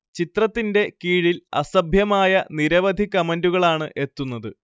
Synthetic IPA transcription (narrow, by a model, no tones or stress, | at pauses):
t͡ɕit̪rɐt̪ːinde̞kiːɻilɐ̰sɐbʱjɐmaːjɐniɾɐʋɐd̪ʱikːɐmɐnduɣɐɭaːɳɨʔe̞t̪ːunːɐðɨ